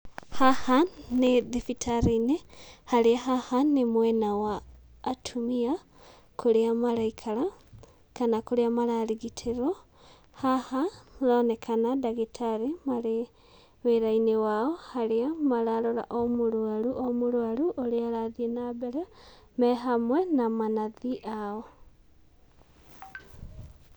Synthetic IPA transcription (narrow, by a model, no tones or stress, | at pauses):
hahanːeðifitʰaɾinehaliaɦahanːemwenawaː | tʰumia | kuliamaɾaikʰala | kanakuɾiamalaliɡitʰiɾo | hahaloːnekʰanadaɣitʰaɾimaɾe | weɾainewaohaɾeamaɾaɾoɾa̰ʔomuɾwaɾuʔomuɾwaɾuʔoɾeaɾaðienabeɾa | mɛɦamwenamanaðiʔao